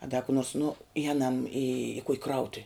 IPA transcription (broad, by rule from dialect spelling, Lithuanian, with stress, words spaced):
ɐ dɐ kʊ noːrs nʊ ɪˈjæːnɐm ɪ kʊkʲ ˈkrɐʊtʊw